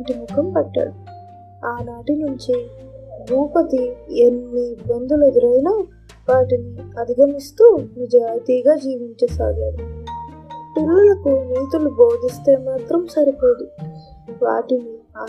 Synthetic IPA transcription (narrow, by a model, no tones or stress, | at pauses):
ɳʈimukʰɐmpɐʈːa̰ːɽu | aːnaːʈinuɲt͡ʃibʱuːpɐt̪ienːibɐnd̪uled̪iɾɐjnaː | ʋaːʈiniɐd̪ʱiɡʱɐmist̪uːnid͡ʒaːjt̪iːɡaːd͡ʒiːʋiɲt͡ʃeːsa̰ːɡaːɽu | ʈulːulɐkuniːt̪ulubo̞ːd̪ist̪e̞ːmaːt̪ɾɐmsɐɾipo̞ːd̪u | ʋa̰ːʈinia